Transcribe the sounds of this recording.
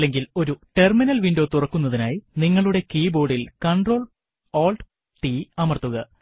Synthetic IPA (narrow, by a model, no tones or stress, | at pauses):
lːe̞ŋɡilo̞ɾuʈe̞rminɐlʋiɳɖo̞ːt̪urɐkːunːɐðinaːjiniŋːɐɭuɽe̞kiːbo̞ːɽilkɐɳɖro̞ːɭ | oːlɖ | ʈiɐmɐrt̪ːuɣɐ